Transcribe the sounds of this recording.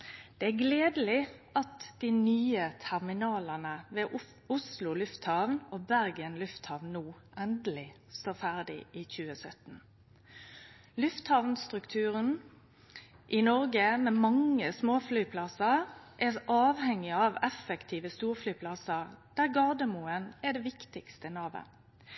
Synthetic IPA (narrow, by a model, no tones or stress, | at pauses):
d̪̥ɛæɡleːd̪əlɪɑt̪d̪̥inyːət̪ʰæʁmɪnɑːlɑnəʋeː | ʊslʊlʉft̪hɑʋnoːbæʁɡənlʉft̪hɑːʋnnuːʔɛnd̪əlɪ | st̪oːʁfæʁd̪ɪ̰ʔiːçʉːəsœt̪n̩ | lʉft̪hɑːʋnst̪ʁʉkt̪ʰʉːʁən | ʔɪnɔʁɡəmɛmɑŋːəsmoːflyːpʰlɑsəʁʔɛʔɑːʋhɛŋɪɑʋɛfəkt̪ʰiːʋəst̪uːʁflyːpʰlɑsəʁd̪̥æːʁɡɑʁd̪əmuːənɛd̪ɛʋɪkt̪ɪkst̪ənɑːʋə̰